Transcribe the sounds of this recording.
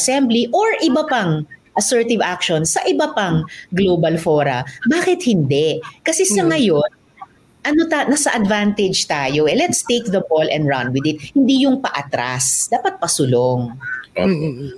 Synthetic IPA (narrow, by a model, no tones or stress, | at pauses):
ɐsɛmbliʔoɹʔɪbɐpɐŋʔɐsɛɹt̪ɪvʔakʃonsɐʔɪbɐpɐŋɡloːbɐlfoːɾɐ̰baːkɪt̪̚hɪnd̪ɛkɐsɛsɐŋɐjo̞n | ʔɐnot̪anɐsɐʔɐd̪vant̪ɛd͡ʒt̪aːjo̞ʔɛlɛt̪st̪ejk̚ðɐbolʔɛ̰̃nd̪ɹɐnwɪd̪ɪt̪̚hɪnd̪ijʊŋpɐʔɐt̪ɾasd̪aːpɐt̪̚pɐsʊloŋ